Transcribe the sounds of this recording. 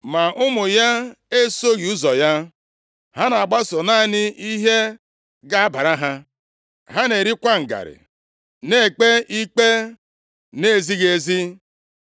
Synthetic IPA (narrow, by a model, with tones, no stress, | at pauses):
ma˨ʔʊ˦mʊ˨ja˦ | e˦so˦ɣi˨u˦zɔ˨ja˦ | ha˦na˨ɡ͡ba˦sʊ˨na˦nɪ˦i˦ɦe˦ | ɡa˦a˦ba˨ɾa˦ɦa˦ | ɦa˦ne˨ɾi˦kʷa˦ŋ̩˨ɡa̰˨ɾɪ̰˨ | ne˦˨k͡pe˦ʔi˦k͡pe˦ | ne˨zi˦ɣe˨˦˨zi˦